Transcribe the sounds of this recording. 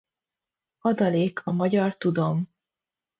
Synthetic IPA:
ɒd̪ɒleːkʰɒmɒɟɒrt̪ud̪o̞m

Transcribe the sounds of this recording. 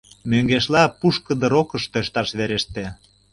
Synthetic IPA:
møŋɡeʃlɑpuʃkəd̪ə̆ɾokəʃt̪øʃt̪ɑʃβeɾeʃt̪e

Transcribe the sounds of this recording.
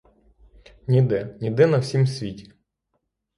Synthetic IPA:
nʲid̪ɛnʲid̪ɪnɐwsʲimsʲʋʲitʲi̥

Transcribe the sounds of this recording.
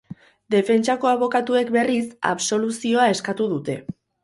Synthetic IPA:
d̪e̞fe̞nt͡ʃako̞aβo̞kat̪ue̞kbe̞risa̰βso̞lusio̞ae̞skat̪uðut̪e̞

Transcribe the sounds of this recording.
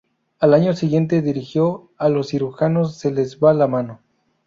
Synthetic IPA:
alaɲo̞siɣje̞nt̪̬e̞ðiɾixjo | alosːiɾuxano̞sːe̞le̞zβalamano

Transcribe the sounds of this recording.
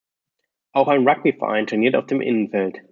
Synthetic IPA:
ʔaʊxaɪnʁak̚b̥ifɛɐʔã̰ɪntʰʊɛniɐta̰ʊfd̥eːmʔɪ̰nənfɛlt

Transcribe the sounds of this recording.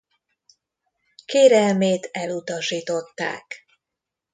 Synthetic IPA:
keːɾɛlmeːt̪ɛlut̪ɒʃiːt̪o̞t̪ːa̰ːk

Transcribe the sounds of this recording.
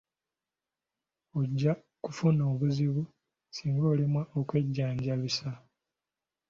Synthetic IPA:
oɟːa | kufuno̞ːβuziβu | siːŋɡo̞ːlimwaʔokwe̞ɟːaːɲɟaβisa

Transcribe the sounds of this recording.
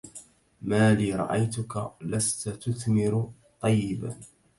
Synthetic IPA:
maːliːɾˤɑ̰ʔajt̪ʊkalast̪at̪ʊθmɪɾʊ | t̪ˤːɑjːɪba̰

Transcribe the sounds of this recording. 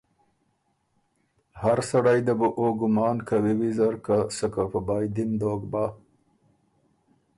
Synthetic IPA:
haɾsaɽajd̪abuʔoɡʊmɑːnkawiwizaɾkasəkapəbɑjd̪ind̪oːɡbɑ

